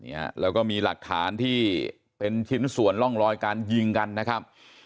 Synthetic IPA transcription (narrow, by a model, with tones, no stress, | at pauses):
nḭ˦˥ɐ̰˧˩lɛ̰ː˦˥wkɔː˥˩miː˧la̰˨˩k̚t̪ʰa̰ː˩˦nt̪ʰiː˥˩ | pe˧nt͡ɕʰi˦˥nsu˨˩ənlɔ˥˩ŋɾɔː˧jkaː˧nji˧ŋka˧nːa˦˥kʰa˦˥p̚